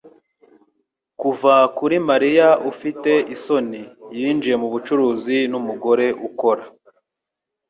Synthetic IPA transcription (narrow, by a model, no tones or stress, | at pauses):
kuvakuɾimaɾijaufite̞ʔiso̞nijiːnd͡ʒije̞muβut͡ʃuɾuːzinumuɡo̞ɾe̞ʔuko̞ɾa